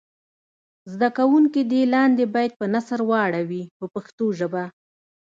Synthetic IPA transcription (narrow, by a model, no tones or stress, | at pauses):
zd̪akawuŋkid̪elɑnd̪ebɑjad̪̚pənasəɾwɑɽawixəpaxt̪oʒəba